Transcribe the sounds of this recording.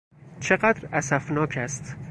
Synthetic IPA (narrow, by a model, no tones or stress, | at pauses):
t͡ʃʰeɢæd̪ɾæsæfnɒːcʰæst̪